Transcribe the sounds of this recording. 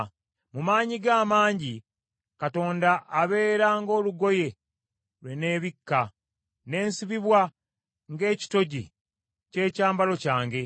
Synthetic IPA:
mumaːɲiɡaːmaːɲɟi | kato̞ːndaʔːβe̞ːɾaŋɡo̞ːluɡo̞je̞ | lwe̞ne̞ːβikːa | ne̞ːnsiβiβwa | ŋɡe̞ːci̥to̞ɟḭ | ce̞ːcaːmbalo̞caːŋɡe̞

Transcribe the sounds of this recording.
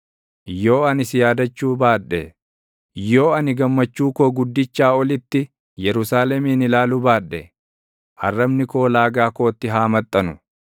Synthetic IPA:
jo̞ːɐnɪsɪjaːd̪ɐt͡ʃːuːbaːᶑːɛ | joːɐnɪɡɐmːɐt͡ʃːuːkoːɡʊd̪ːɪt͡ʃːaːɔlɪt̪ːɪ | jɛɾʊsaːlɛmiːnɪlaːlʊbaːᶑːɛ | hɐ̰rːɐbnɪko̞ːlaːɡaːko̞ːt̪ːɪɦaːmɐt̪ʼːɐnʊ

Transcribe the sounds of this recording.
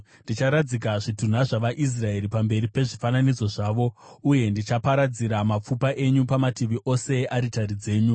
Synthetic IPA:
nndit͡ʃaɾad͡zik̬aʐitun̤aʐaʋaʔis̬rae̞ripambe̞ɾipe̞ʐifananid͡zo̞ʐaːʋo̞uje̞ndit͡ʃapaɾad͡ziɾamap͡fupaʔe̞ɲupamatiʋiʔo̞se̞ʔaɾitaɾid͡ze̞ːɲu

